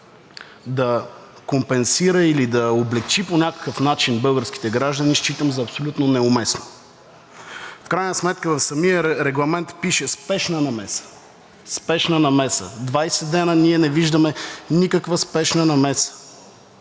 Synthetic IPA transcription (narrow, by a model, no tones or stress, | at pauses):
d̪ɐ | kompɛnsiɾɐilid̪ɐoblɛkt͡ʃiponʲakə̥kəfnat͡ʃinbɤlˠɡəɾskʲi̥t̪ɛɡɾaʒd̪əniʃt͡ʃit̪əmzɐːpsolʲut̪nonɛʊmɛsno | fkɾajnəsmɛt̪kəvɐfsɐmiəɾɛɡlˠɐmɛnt̪piʃɛspɛʃnənɐmɛsə̥ | spɛʃnənɐmɛsə̰d̪vajsɛd̪ɛnəniɛnɛviʒd̪əmɛnikəkvəspɛʃnənɐmɛsə̥